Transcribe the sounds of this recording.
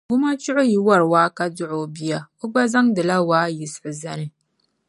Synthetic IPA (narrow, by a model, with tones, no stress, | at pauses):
ɡʊ˦ma˦t͡ʃʊ˦ʔʊ˦ji˦wɐ˦ɾwaː˦ka˦dʊ˦ʔoː˦bɪ˦ja˦kʊ˦ɡ͡ba˦za˦ŋdɪ˨la˦waː˦jɪ˨sʔɪ˨zɐ˦nɪ˦